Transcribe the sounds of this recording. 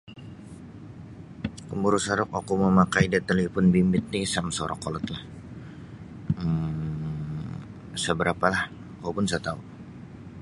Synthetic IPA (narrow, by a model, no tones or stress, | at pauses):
kəmbuɾusaɾʊk̚akuməmakaidat̪əlifʊnbimbɪt̪̚nisamsoɾɔ̰kɔlɔt̪lah | ə | səbəɾapalah | kapʊnsat̪au